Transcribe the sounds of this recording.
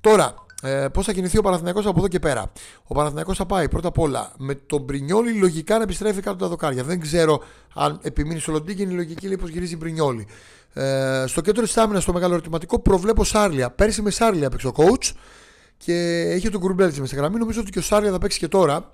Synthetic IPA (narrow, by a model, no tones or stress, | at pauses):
t̪o̞ɾɐpo̞sθɐciniθiopɐnɐθinɐko̞sɐp̬oðoce̞pe̞ɾɐ̰ | o̞pɐnɐθinɐko̞sθɐpɐipɾo̞t̪ɐpo̞lɐ̰me̞t̪o̞bɾiɲo̞lilo̞ʝikɐnɐepist̪ɾe̞fikɐt̪ot̪ɐðo̞kɐɾʝɐðe̞ŋɡze̞ɾo̞ | ɐ̰ne̞piminist̪o̞lond̪icinilo̞ʝicileipo̞zʝiɾizibɾiɲo̞li | st̪o̞ced̪oɾt̪isɐminɐst̪o̞me̞ɣɐloɾit̪imɐt̪iko̞pɾo̞vle̞po̞sɐɾliɐpe̞ɾsimesɐɾliɐpekst̪oko̞wt͡s | cʰe̞içet̪oɡuɾbelt̪isimesɐɣɾɐmino̞mizoot̪iceosɐɾliɐθɐpeksi̥ce̞t̪o̞ɾɐ